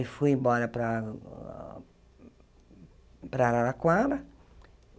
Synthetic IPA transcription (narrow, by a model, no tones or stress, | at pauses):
ifujẽmbɔɾɐpɾɐ | pɾaɾaɾakwad̪ɐ